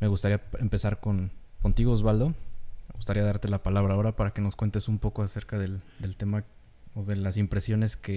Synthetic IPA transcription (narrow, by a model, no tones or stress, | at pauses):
me̞ɣust̪aɾiaempe̞saɾko̞nko̞nt̪iɣo̞ezβald̪o̞meɣust̪aɾiaðaɾt̪e̞lapalaβɾao̞ɾapaɾake̞no̞skwe̞nt̪e̞sumpo̞ko̞ase̞ɾkaðe̞ld̪e̞lt̪e̞ma | oðe̞lasimpɾe̞sjo̞ne̞ske̞